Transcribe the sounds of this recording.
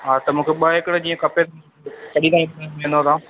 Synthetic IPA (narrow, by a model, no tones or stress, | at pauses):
ɦaːt̪ɐmũːkʰeɓəɦɪkɽed͡ʑiːə̃kɐpet̪ | t͡ɕʰɐɗĩd̪aːĩpːnmẽːnd̪oːt̪ãː